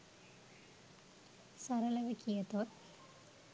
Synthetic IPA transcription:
sɐɾɐlɐʋɐkʰːijɐt̪ːoːt

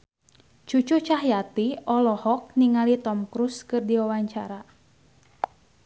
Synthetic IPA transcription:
t͡ʃut͡ʃut͡ʃaɦjat̪iɔlɔhɔk̚niŋalit̪ɔmkɾuskɨrdiwawaɲt͡ʃaɾa

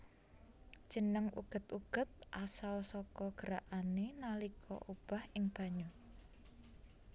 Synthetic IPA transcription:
d̥ʒ̥ə̤nəŋʔṵɡ̥ə̤t̪uɡ̥ə̤t̪̚ʔasalsɔkɔɡ̥əɾaʔanenalikʰɔ̰ʔub̥a̤hʔɪŋb̥a̤ɲu

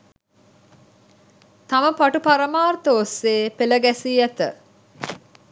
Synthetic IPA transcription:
t̪aməpaʈupaɾəmaːrt̪əːsːeːpeləɡæsiːæt̪ə̰

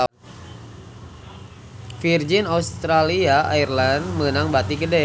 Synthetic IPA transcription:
fird͡ʒinaust̪ɾaliaʔairlanmənaŋbat̪iɡədɛ

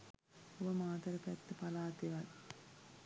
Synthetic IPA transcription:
oʋɐmaːt̪ɐɾɐpɛt̪ːɨpɐlaːt̪iʋɐl

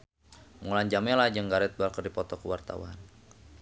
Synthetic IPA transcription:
ŋuland͡ʒamɛlad͡ʒəŋɡaɾɛt̪̚balkərdipɔt̪ɔkəwart̪a̰wa̰n

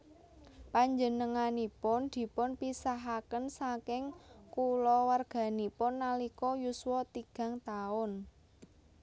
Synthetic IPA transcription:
paɲd͡ʒənəŋanipʊnd̪̥i̤pʊnpisaɦakənsakɪŋkulɔwarɡ̥ä̤nipʊnːalikɔjuswɔt̪iɡ̥a̤ŋt̪aʊn

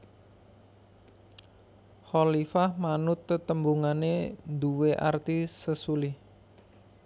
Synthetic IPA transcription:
xɔlifahmanʊt̪ːət̪əmbuŋaned̪uweʔa̰rt̪isəsulɪh

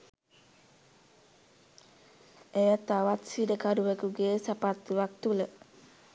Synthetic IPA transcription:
ejat̪awat̪sidəkaduwəkuɡesapat̪iwak̚t̪ulə

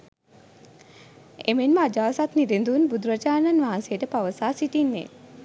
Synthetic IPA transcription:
emenməad͡ʒaːsat̪niɾind̪unbud̪uɾəd͡ʒaːnanʋaɦansejəʈəpaʋəsaːsiʈinːḛ

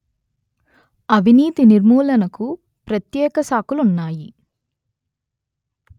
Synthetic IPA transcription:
ɐbʱiniːt̪iniɾmuːlɐnɐku | pɾɐt̪jɛːkɐsaːkulunːaːji

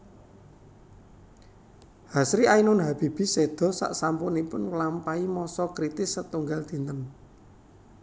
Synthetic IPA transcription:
hasɾiainʊnɦab̥i̤b̥i̤sed̪̥ɔ̤sa̰ʔsampʊnipʊnklampaimɔsɔkɾit̪ɪsət̪uŋɡald̪̥i̤nt̪ən

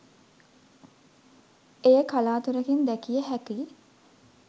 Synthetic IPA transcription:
ejəkalaːt̪uɾəkind̪ækijəɦæki

